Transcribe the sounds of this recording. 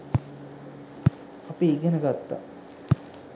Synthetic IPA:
apiːɡenəɡat̪ːa̰

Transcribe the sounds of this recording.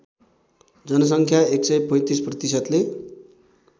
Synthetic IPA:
d͡zʌnʌs̬ʌŋkʰjaeksʌjpʌ̃j̃t̪isprʌt̪isʌt̪le

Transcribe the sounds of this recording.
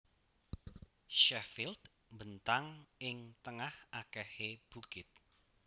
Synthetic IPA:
ʃɛfɪld̪̥ | mbənt̪aŋɪŋt̪əŋahʔakɛheb̥ukɪt̪̚

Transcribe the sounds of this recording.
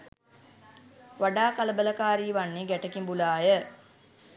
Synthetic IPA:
ʋaɖaːkaləbələkaːɾiːʋanːeɡæʈəkimbulaːjə

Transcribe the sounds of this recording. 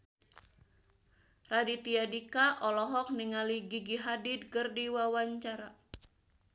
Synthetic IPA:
radit̪iadikaʔɔlɔɦɔk̚niŋaliɡiɡiɦadid̪̚kɨrdiwawaɲt͡ʃaɾa

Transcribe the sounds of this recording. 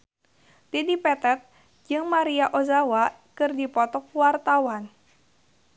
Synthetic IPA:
t̪idipɛt̪ɛt̪̚ | d͡ʒɨŋmaɾiaʔozawa | kɨrdipɔt̪ɔk̚wart̪awan

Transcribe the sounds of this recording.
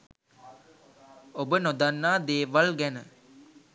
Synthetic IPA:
obənod̪anːaːd̪eːʋalɡænə

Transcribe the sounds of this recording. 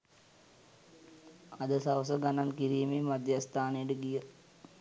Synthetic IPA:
ad̪əsaʋəs̬əɡanankiɾiːmemad̪jast̪aːnejəʈəɡijə

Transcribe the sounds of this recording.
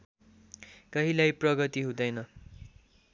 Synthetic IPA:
kʌɦilajprʌɡʌt̪iɦũd̪ʌjnʌ

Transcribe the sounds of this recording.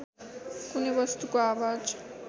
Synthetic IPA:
kunebʌst̪ukoawad͡ʒ

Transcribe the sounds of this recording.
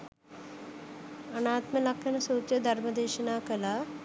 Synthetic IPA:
ɐnaːt̪mɐlɐkʰʂɐnɐsuːt̪jɐd̪ʱɐɾmɐd̪eːʃɐnaːkɐlaː

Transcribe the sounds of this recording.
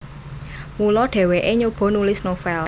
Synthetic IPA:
mulɔɖ̥e̤weʔeɲob̥o̤nulɪsnofɛl

